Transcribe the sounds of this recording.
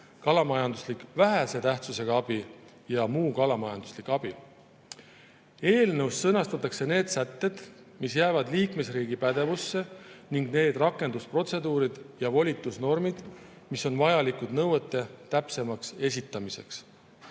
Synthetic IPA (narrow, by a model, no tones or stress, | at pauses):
kɑlɑmɑjɑnd̪uslikvæɦæse̞t̪æht̪suse̞ɡ̥ɑɑb̥i | jɑmuːkɑlɑmɑjɑnd̪̥uslikɑb̥i | e̞ːlnewssɤnɑst̪ɑt̪ːˑɑkse̞ne̞ːd̪̥sæt̪ːe̞d̪̥ | misjæːvɑd̪liːkme̞sriːɡipæd̪̥e̞vusːe̞niŋɡne̞ːd̪rɑkːˑe̞nd̪uspro̞t̪se̞d̪uːɾid̪̥jɑvo̞lʲit̪ːˑusno̞rmid̪̥ | miso̞nvɑjɑlikud̪̥nɤwet̪ːˑe̞t̪æpse̞mɑkse̞s̬it̪ːˑɑmise̞̰ks